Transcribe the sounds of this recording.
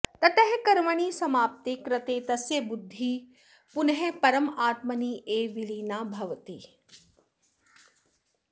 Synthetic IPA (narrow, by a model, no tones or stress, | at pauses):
t̪ɐʈ̪ɐɦkɐɾʋɐɳ̃iːsɐmaːp̚t̪ekɾɐt̪eːt̪ɐsjɐbʊd̪ʱːi | pʊnɦepɐɾəmaːt̪mɐniːʔeːʋiliːnaːbʱɐʋt̪iː